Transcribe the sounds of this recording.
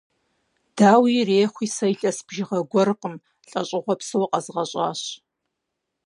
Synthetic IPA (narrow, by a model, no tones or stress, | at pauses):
d̥aːwireːχʷiːsɐjɬʼɐsb̥ʒɪʁɐɡʷɔrɨqəm | ɬʼɐ̰ɕʼɪʁʷɔpsɨwɐqʼɐzʁɐɕʼa̰ːɕ